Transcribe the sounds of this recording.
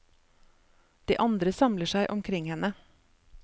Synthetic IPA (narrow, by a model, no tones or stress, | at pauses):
d̪̥ḭːʔɑnd̪ɾəsɑmləʃæɪʔɔmkʰɾɪŋhɛnə